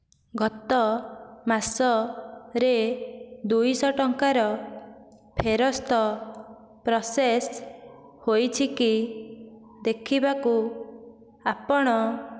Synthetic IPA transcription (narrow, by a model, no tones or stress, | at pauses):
ɡʱɔt̪ɔmasɔɾe | d̪ujsɔʈɔŋkaɾɔ | pʰeɾɔst̪ɔ | pɾɔses | hojt͡ʃʰiki | d̪ekʰibaku | apɔɽ̃ɔ